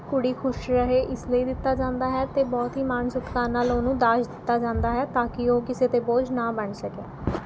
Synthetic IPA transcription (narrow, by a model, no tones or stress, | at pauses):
kʊɽiːkʰʊʃɾəɦeːʔɪsləiːd̪ɪt̪ːaːd͡ʒãːnd̪aːɦɛːt̪eːbɔːt̪ɦiːmaːnsʊʈkaːnaːloːnũːd̪aːʃd̪ɪt̪ːaːd͡ʒãːnd̪aːɦɛːt̪aːkɪoːkɪseːt̪eːboːd͡ʒnaːbəɳsəkeː